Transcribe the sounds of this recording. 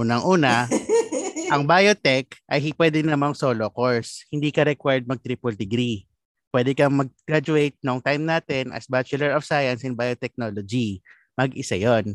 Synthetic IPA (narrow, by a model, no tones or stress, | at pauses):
ʔuːnɐŋʔuːnɐ | ʔɐŋbajot̪ɛkʔɐjɦipwɛːd̪ɪnɐmɐŋsoːlokoɹshɪnd̪iːkɐɾɛkwaɹd̪̚mɐɡ̚t̪ɾiːpold̪ɛɡɾi | pwɛd̪ɛkɐmɐɡ̚ɡ̥ɾad͡ʒʊejt̪̚noʔɐŋt̪ajmnaːt̪ɛnʔɐ̰sbat͡ʃʊlɛɹɔfsajɐnsɪnbajot̪ɛk̚noːlod͡ʒi | mɐɡʔɪsa̰jon